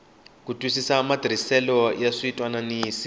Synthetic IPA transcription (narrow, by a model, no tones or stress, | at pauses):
kutʼwisisamadr̤isɛlɔjaʂiitʼwananiːsi̥